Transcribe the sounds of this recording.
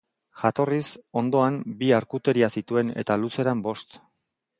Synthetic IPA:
ʝat̪o̞riso̞nd̪o̞ambiaɾkut̪e̞ɾiasit̪ue̞ne̞̰t̪aluse̞ɾambo̞st̪

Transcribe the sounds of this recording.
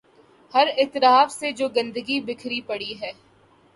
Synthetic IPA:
hɐɾɪːt̪ɪɾaːfsed͡ʒoːɡɐ̃nd̪əɡibɪkʰɾipɐɽiɦɛː

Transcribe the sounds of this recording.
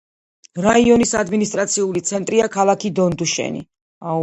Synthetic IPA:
ɾaiɔnisad̪minist̪ʼɾat̪sʰiulit̪sʰɛnt̪ʼɾiakʰalˠakʰid̪ɔnd̪uʃɛ̰nḭ | a

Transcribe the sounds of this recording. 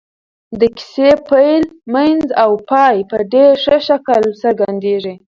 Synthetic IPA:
d̪əki̥sepajlmanzawpɑjpəɖeɾʂəʃakəlsəɾɡand̪eʐi

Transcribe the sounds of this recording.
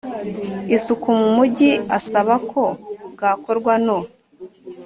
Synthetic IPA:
isukumumuɟiasaβakʰo̞ɡaːko̞ɾɡwano

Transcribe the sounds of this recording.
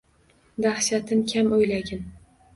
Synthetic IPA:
d̪ahʃat̪ʰɪnkʲʰamojlaɡʲɪn

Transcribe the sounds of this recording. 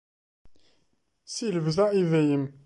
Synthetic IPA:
siləvzæʔivæjəm

